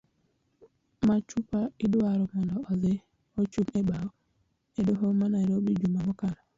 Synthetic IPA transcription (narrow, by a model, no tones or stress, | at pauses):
mat͡ʃupaidwaɾɔmɔndɔɔze | ɔt͡ʃumebawɔ | edɔɦɔmanaɾobid͡ʒumamɔkana